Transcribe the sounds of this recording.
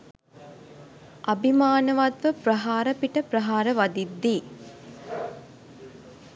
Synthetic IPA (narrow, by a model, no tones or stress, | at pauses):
ʔabimaːnəʋad̪ʋəprɐɦaːɾəpiʈəprɐɦaːɾəʋad̪id̪ːiː